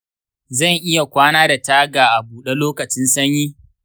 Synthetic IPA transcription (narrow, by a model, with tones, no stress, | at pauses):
zɐ˦˨ŋʔɪ˦ja˨kʷaː˦naː˦da˨taː˦ɡaː˨ʔa˨buː˨ɗe˦loː˦kɐ˨t͡ʃɪ˦nsɐ˦ɲjiː˦